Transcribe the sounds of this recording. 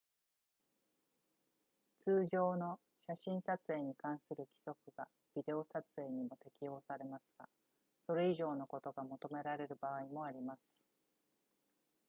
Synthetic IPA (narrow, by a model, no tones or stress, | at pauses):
t͡sɨːʑo̞ːno̞ | ɕaɕĩɰ̃sat͡sɨe̞ːɲ̟ikãɰ̃sɨɾɯ̟kʲi̥so̞kɯ̟ɡ̥a | b̥ʲid̪e̞o̞sat͡sɨe̞ːɲ̟imo̞t̪e̞kʲijo̞ːsaɾe̞masɨ̥ɡ̥a̰ | so̞ɾe̞iʑo̞ːno̞ko̞t̪o̞ɡamo̞t̪o̞me̞ɾaɾe̞ɾɯ̟baːimo̞aɾʲimasɨ̥